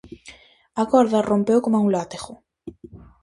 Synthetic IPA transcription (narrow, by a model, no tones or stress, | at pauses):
akɔɾðarompewkomauŋlat̪eɣʊ